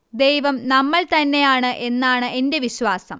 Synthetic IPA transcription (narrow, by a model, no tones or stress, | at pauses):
d̪ejʋɐmnɐmːɐɭt̪ɐnːe̞jaːɳɨʔe̞nːaːɳɨʔe̞nde̞ʋiɕʋaːsɐm